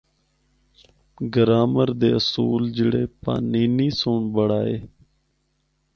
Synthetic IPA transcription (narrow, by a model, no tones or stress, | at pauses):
ɡəɾaːməɾd̪eːəsuːld͡ʒɪɽeːpa̰ːniːniːsoːɳbəɽaːeː